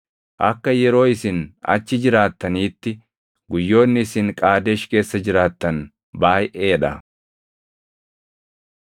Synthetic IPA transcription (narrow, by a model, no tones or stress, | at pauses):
ʔɐkːɐjɛɾo̞ːɪsɪnɐ̰t͡ʃːɪd͡ʒɪɾaːt̪ːɐniːt̪ːɪ | ɡʊjːo̞ːnːɪsɪŋkʼaːd̪eːʃke̞ːsːɐd͡ʒɪɾaːt̪ːɐn | baːjʔeːᶑɐ